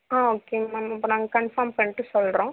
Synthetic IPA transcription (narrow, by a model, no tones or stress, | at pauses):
ãːoːkeːamɪpːoːnaːŋɡɐkɐɳfɐːmpɐɳːɪʈːɯsɔlɾõː